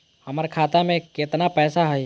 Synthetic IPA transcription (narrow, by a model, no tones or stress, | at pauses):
hɐmaɾkʰaːt̪amẽkɪt̪napɛːsaɦɛj